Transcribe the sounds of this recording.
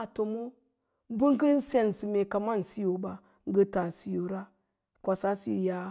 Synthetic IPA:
a˨to˨mo˦ | bi˦ŋ˦ɡi˦n̩˦se˦˨n˨si˨me˨ka˨ma˦˨n̩˨si˦jo˨ba˨ | ŋ˦ɡə˦ta˨si˦jo˨ɾa˦ | kʷa˨sa˦sḭ˦˨ja˦

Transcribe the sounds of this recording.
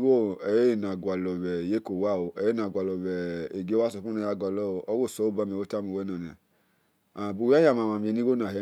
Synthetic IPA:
wo˦ɛ˨je˦i˦˨na˨ɡʷa˨lɔ˨wɛ˨je˦ko˨wa˦˨wo˨ɛ˨˦e˦na˨ɡʷa˨lɔ˨wɛ˨e˨ɡe˦wa˦su˧˨fu˦na˨˧ja˧˨ɡʷa˨lɔ˦˨ɔ˦wo˦˨sɔ˨˦o˦ba˦˨me˨wo˦ta˦mu˨wɛ˦na˨n˨a̰˨ | a˨bu˧˨˦a˦ja˨ma˨ma˨m˨e˨ni˦wo˦na˨ɛ˨˦

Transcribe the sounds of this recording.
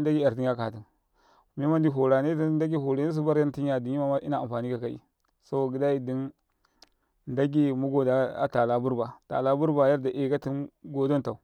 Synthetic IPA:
n˦da˦ɡi˦a˨ɾti˨˦a˦ka˨ti˨n˨ | mi˦ma˦ndi˦ɦo˨ɾa˨ne˦tnda˦ɡi˦ɦo˨ɾe˨˦ne˦s̬u˦ba˦ɾja˦n˦ti˦n˦a˨di˨nji˦ma˦ma˦ʔi˦na˨a˨fa˨ni˦ka˨ka˦ḭ˨ | so˦o˨ɡi˨da˦i˦di˦n | nda˦ɡi˦mu˦ɡo˦˨da˨˦a̰˦ta˨la˦bu˦ɾba˨ta̰˨la˦bu˦ɾba˨ja˦ɾda˨ʔe˨ka˦ti˦nɡo˦do˦nta˨u˨

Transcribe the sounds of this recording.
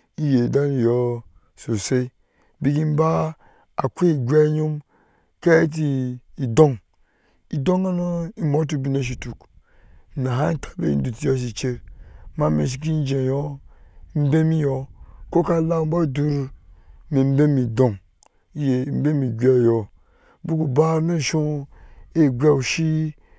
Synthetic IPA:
i˦je˨da˦mi˨jɔ˦ | so˨se˦ | bi˦k̬i˦m̩˦ba˦ | a˨kʷe˦i˨ɡʲʷa˦ɲo˦m | ka˦e˦t̬i˨i˨do˦ŋ | i˨dõ˦ŋa˦no˦i˦mo˦t̬u˦bi˦no˦ʃ̬i˨tu˨k | na˨ɦa˦tʰḁ˨bḛ˦ḭ˦n̩˦du˨ti˦jo˦s̬i˨t͡ʃe˦ma˦mḛ˨ʃ̬i˨k̬i˦n˦d͡ʒe˨jɔ˦ | m̩˦be˦mi˦jɔ˨ko˦ka˦˨˦la˦m̩˦ba˦˨du˦ɾme˨m̩˦be˦mi˨dõ˨ŋ | i˦je˨m̩˦be˦mi˨ɡʷe˦˨jɔ˨˦ | bu˦ku˨ba˦no˦˨ʃo˦ | e˦˨ɡʷɛ˦u˨ʃi˦

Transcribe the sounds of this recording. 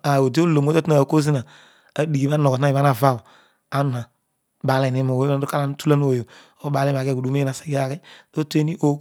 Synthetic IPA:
a˨o˨de˦o˦lo˨mo˦to˦tna˨ko˦zi˦na˨ | a˦di˨ɡi˨ba˦nɔ˨ɔ˨˦a˦˨a˦na˨va˦˨ | a˦nu˨na˨ | ba˨˦lɛ˨ni˦ma˨wo˨˦a˦o˦ka˦la˦n˦tu˦la˦n˦o˨jo˨ | o˦ba˨˦lɛ˦˨a˨kɛ˦˨ɡu˨u˨˦me˦na˨sɛ̥˨ɡi˦a˦kɛ˦do˦te˦ni˦ʔo˦

